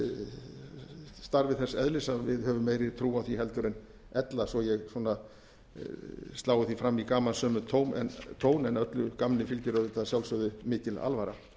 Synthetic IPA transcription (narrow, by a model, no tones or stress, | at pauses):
st̪aɾvɪðθɛsːɛðlɪsavɪðhœvʏmːeːjɾɪɾt̪ʰɾuːaθiɦɛlt̪ʏɾɪn | ɛt̪lasɔjɛɣsɔna | st̪aːwɪθifɾamːikaːmansœːmʏt̪ʰoːwmɛ̰nt̪ʰoːwnɛnœt̪lʏkamnɪfɪlcʏɾœðɪt̪ːasjawlsœðʏmɪːcɪla̰lvaɾa̰